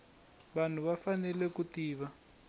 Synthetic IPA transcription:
βan̤uβafanɛlɛkutiːβa

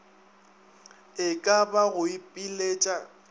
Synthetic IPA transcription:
ɪkʼabaɣʊipʼileːt͡ʃʼa

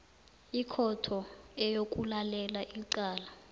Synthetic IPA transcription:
ikʰɔtʰɔɛjokʼulalɛlaʔiǀaːla

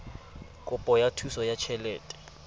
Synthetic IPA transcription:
kʼʊpʼɔjatʰusɔjat͡ʃʰɛlɛːtʼɛ̥

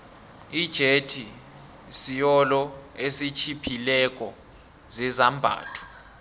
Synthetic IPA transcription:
id̥ʒ̥ʱetʰi | sijɔlɔesit͡ʃʰipʰilɛk̬ʼɔ | zɛzambʱa̰ːtʰu̥

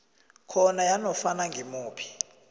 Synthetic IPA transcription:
kʰɔnajanɔfanaŋɡʱimuːpʰi̥

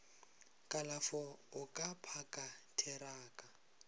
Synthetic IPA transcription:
kʼalafɔʊkʼapʰakʼatʰɛɾaːkʼa

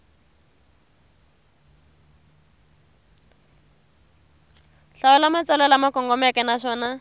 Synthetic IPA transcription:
ɬaʊlamat͡sɛlɛlamakʼɔŋɡɔmɛkʼɛnaʃɔːna

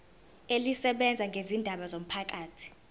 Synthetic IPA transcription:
elisɛɓɛnd͡zʱaŋɡʱezindʱaɓazom̩pʰak̬ʼaːtʰi̥

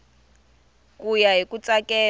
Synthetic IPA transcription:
kujaɦikʼut͡sʼakʼɛː

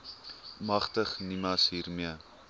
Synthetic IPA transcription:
mɐχtəχnimɐsɦiːrmiə

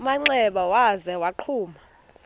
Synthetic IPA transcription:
umaŋ͡ǀɛɓawazɛwaǃʰuːma

